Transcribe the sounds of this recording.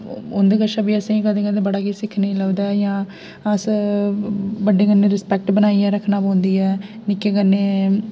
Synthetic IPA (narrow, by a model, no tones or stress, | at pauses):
ʊnd̪eːkəʃãːbiːəsẽikəd̪ẽːkəd̪ẽːbəɽaːkisɪkʰːnẽːləʋd̪aːjãː | əs | bəɖeːkənːẽːɾɪspɛːk̚ʈbənaːiɛːɾəkʰːnaːpõːnd̪iːɛːnɪkeːkənːeː